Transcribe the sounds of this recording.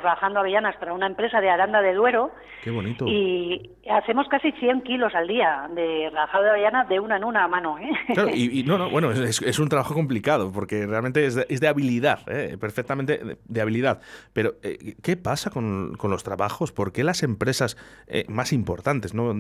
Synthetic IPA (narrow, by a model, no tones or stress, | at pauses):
rxand̪oaβeʝanaspaɾaunaempɾe̞saðeaɾand̪aðe̞ðwe̞ɾo | keβo̞nit̪oi | aθe̞mo̞skasiθje̞ŋkilo̞sald̪iad̪e̞raaxaðoðaβeʝanaðe̞unaenunamãnoelaɾoiino̞no̞βwe̞noesesesunt̪ɾaβaxo̞ko̞mplikað̞o̞po̞ɾke̞realment̪e̞ezðeʔezðeaβiliðaðepe̞ɾfek̚t̪amẽ̞nt̪e̞̰d̪eaβiliðaðpe̞ɾo̞ḛke̞pasako̞nko̞nlo̞st̪ɾaβaxo̞spo̞ɾke̞lase̞mpɾe̞sasḛmasimpo̞̰ɾt̪ant̪e̞zno̞